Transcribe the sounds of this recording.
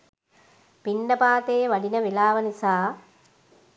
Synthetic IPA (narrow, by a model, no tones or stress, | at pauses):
pinɖɐpaːt̪eːʋɐɖinɐʋilaːʋɐnisaː